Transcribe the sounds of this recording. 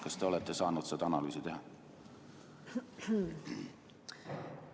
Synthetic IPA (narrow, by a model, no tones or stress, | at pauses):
kɑst̪eo̞let̪ːesɑːnut̪set̪ɑnɑlyːsit̪ehɑ